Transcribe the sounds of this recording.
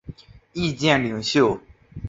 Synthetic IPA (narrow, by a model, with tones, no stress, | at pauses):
i˥˧t͡ɕjɛ˥˩nli˨˩ŋɕjo˥˩ʊ